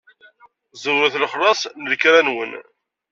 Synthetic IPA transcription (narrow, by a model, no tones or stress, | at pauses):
zəwəθlχlˤɑsˤnəlkɾænwən